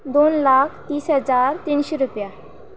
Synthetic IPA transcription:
d̪onlakʰt̪iːsɦəd͡zaɾt̪inɕeɾupja

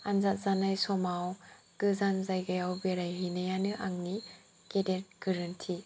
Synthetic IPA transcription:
anzat̚zanajsɔmaw | ɡ̥ɯzanzajɡajawbeɾajɦinajanɯʔaŋni | kedet̚ɡ̥ɯɾɯntʰi

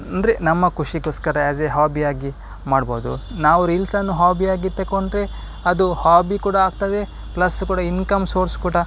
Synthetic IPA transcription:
ɐnd̪ɾenɐmːɐkuʂiɡoːskɐɾɐɐd͡ʒeɦaːbiaːɡi | maːɽbo̰ːd̪ṵnaːʋuɾilsɐnːuɦaːbiaːɡit̪ːekoɳɖɾe | ɐd̪uhaːbikuːɽɐaːɡt̪ɐd̪e | plɐsːkuːɽɐinkɐmsoːɾskuːɽɐ

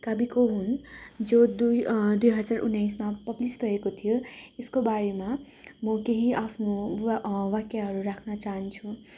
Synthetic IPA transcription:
kʌbikoɦund͡zod̪ud̪ujɦʌd͡zaɾʔṵnːajs̬mapʌblisbʱʌekot̪ʰijoeskobaɾema | mʌkeɦiʔapʰno | wakjaɦʌɾuɾakʰnat͡saɦʌnt͡sʰũ

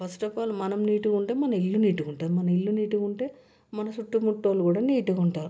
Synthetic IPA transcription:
pɐsʈɐpaːlumɐnɐmniːʈukuɳʈeːmɐnɐilːuniːʈukuɳʈaːɾumɐnɐilːuniːʈuuɳʈe̞ː | mɐnɐsuʈːumuʈːoːlukuːɽaːniːʈukuɳʈaːɾu

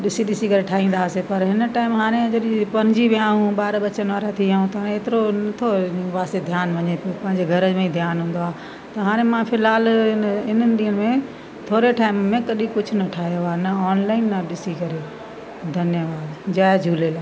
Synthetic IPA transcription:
ɗɪsiɗɪsikɐɾeʈʰaːɦĩn̆d̪aːsepɐɾɦɪnʈaːɪmɦaːɾ̃ẽd͡ʑɐɗipɐ̃ɾd͡ʑibɪaːũɓaːɾɓɐt͡ɕənʋaːɾat̪ʰiaːũt̪ɦaːɾ̃ẽeːt̪ɪɾonɐt̪ʰoũʋaːsed̪ʱjaːnʋɐɲepijopɐ̃ɦɪ̃ɲd͡ʑeɡʱɐɾəd͡ʑmẽĩd̪ʱjaːnɦũːnd̪oaː | t̪ɐɦaːɾ̃emãfɪlɦaːlɪnənɪ̆ɗ̪iːənɪmẽ | t̪ʰoːɾeʈʰaːɪmmẽkɐɗikʊd͡ʑʱʊnɐʈʰaːɦijoaːnɐɔːnlaːɪnːɐɗɪsikɐɾe | d̪ʱɐnjəʋaːd̪d͡ʑaːd͡ʑʱuːlelaː

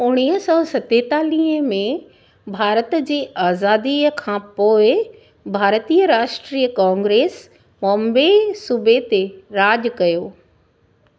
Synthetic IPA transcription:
ʊɽ̃iːɦəsɔːsɐt̪et̪aːliːɦəmẽ | bʱaːɾət̪d͡ʑeːaːzaːd̪iəkʰãːpoːɪ | bʱaːɾt̪iːəɾaːʃʈɾiːəkãːŋɡɾeːs | mɔ̃mbesʊbʱet̪eɾaːd͡ʑkɐjoː

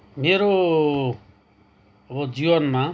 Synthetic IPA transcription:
meɾo | ʌbʌd͡ziwʌnma

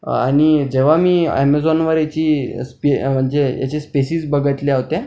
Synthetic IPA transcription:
a̰ɽ̃id͡ʑeʋ̤amiːɛ̰med͡zɔnʋəɾjat͡ɕiːspem̤əɳd͡zeja̰t͡ɕespesiːd͡zbəɡʱət̪leɦot̪ẽ

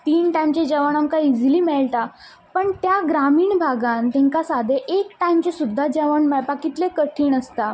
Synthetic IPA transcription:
t̪iːnʈajmt͡ɕed͡ʑɛʋəɳamkaid͡zliːmeɭt̪a | pəɳt̪jaɡɾamiːɳbʱaɡãnt̪ɛ̃ŋkasad̪ʱeʔekʈajmt͡ɕesud̪ʱːad͡ʑɛʋəɳmepakit̪lekəʈʰiːɳəst̪a

